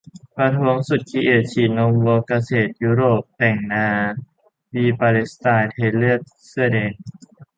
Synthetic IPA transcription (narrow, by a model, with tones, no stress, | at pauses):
pɾa˧t̪ʰu˧˦əŋsu˨˩t̪̚kʰi˧˥ʔe˨˩t̪̚t͡ɕʰiː˨˩no˧ŋwoː˧ka˧seː˨˩t̪̚juː˦˥ɾoː˨˩p̚t̪ɛ˨˩ŋnaː˧ | wiː˧paː˧li˦˥st̪aː˧jt̪ʰeː˧lɯ˥˩ət̪̚ | sɯ˥˩ə˨deː˧˩n̚